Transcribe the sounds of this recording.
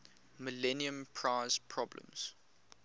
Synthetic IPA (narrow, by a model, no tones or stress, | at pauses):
məlɛniə̃mpʰɹaɪz̥pʰɹɔblə̰̃mz̥